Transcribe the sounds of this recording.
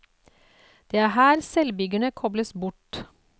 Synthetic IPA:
d̪̥eːæːɦæːɾsɛlbʏɡəɳəkʰɔbləsbʊʈ

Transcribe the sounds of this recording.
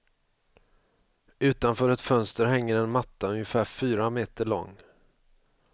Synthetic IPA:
ʉ̟ːt̪anfœːɾɛt̪fœnst̪əɾɦɛŋːəɾɛnmat̪ːaɵŋjəfæːfyːɾameːt̪əɭɔ̰ŋː

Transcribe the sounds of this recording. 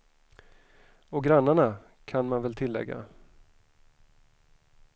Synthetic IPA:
ɔɡɾanːaɳa | kʰanmanvɛlt̪ʰɪlːɛ̰ɡːa̰

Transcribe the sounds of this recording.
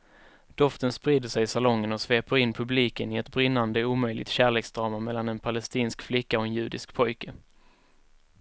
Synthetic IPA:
d̪̥ɔft̪ənspɾiːd̪əʂɛjɪsalɔŋːənɔsveːpəɾɪnpʰɵbliːkənɪɛt̪bɾɪnːand̪əuːmœjlɪ̰t̪ɕæːɭeːksd̪ɾɑːmamɛlːanɛnpʰalɛst̪iːnskflɪkːaɔɛnjʉ̟ːd̪ɪskpʰɔjkə

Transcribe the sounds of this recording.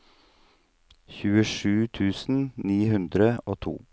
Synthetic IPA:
çʉːəʃʉːt̪ʰʉːsn̩niːhʉnd̪ɾəoːt̪ʰṵː

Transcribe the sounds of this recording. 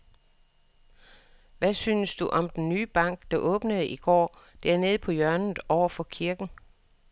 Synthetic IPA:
ʋæsyːnəsd̥uʔɒ̽md̥enːyːb̥ɑ̈ŋ̰ɡ̥d̥ɑ̈ʔɔ̽ːb̥nəð̩ˠiɡ̥ɒ̰ː | d̥æɐ̰ne̝ːð̞̩ˠpʰɒ̽jɶɐnð̩ˠɒʊ̰ɐfɒ̽kʰiɐɡ̥n̩

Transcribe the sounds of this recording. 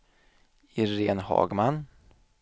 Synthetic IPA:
ɪɾeːnhɑ̰ːɡman

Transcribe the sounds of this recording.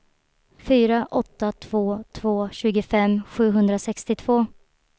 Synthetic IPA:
fyːɾaʔɔt̪ːat̪ʰv̥oːt̪ʰv̥oːɕʉ̟ːɡəfɛmːɧʉ̟ːɦɵnd̪ɾasɛkst̪ɪt̪ʰv̥oː

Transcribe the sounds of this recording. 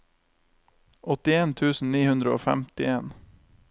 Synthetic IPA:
ʔɔt̪ɪeːnt̪ʰʉːsn̩niːhʉnd̪ɾəo̰ːfæ̰mt̪ɪeːn

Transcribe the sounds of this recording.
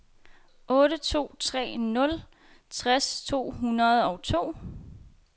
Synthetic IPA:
ʔɔ̽ːɾət͡sʰo̝̰ːt͡sʰʁɛ̰ːnɔ̽l | t͡sʰʁast͡sʰo̝̰ːɦunɐð̩ˠɒ̽ʊt͡sʰo̝̰ː

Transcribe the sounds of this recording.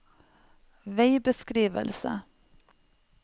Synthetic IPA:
veɪbəskɾiːʋə̰lsə̰

